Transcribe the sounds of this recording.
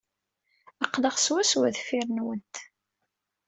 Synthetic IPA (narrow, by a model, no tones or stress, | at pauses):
ɑqːləχswæswæðfiɾnwənt̪